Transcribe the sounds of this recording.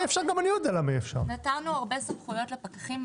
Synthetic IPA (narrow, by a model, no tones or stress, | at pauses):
efʃaʁɡamanijod̪ealamiefʃa̰ʁnataʁnuaʁbe̞samχujo̞tlepakaχim